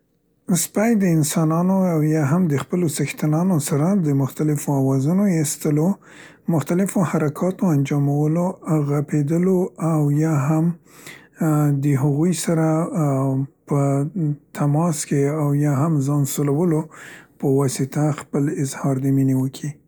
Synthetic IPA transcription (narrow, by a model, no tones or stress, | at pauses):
spajd̪əɪnsɑnɑnoawjɑɦamd̪əxpəlosaxt̪anɑnosaɾad̪əmʊxt̪alɪfoawɑzunojest̪əlo | mʊxt̪alɪfohaɾakʰɑt̪oand͡ʒɑmawəloɣaped̪əloawjɑɦam | d̪əɦaɣujsaɾa | pət̪ʰamɑskeawjɑɦamzɑnsolawəlopəwɑsɪt̪axpəlɪzhɑɾd̪əminewəkʰi